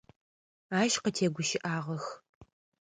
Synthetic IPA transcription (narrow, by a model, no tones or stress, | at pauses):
aːʃqətʰeːɡʷʊʃɪʔaːʁɐx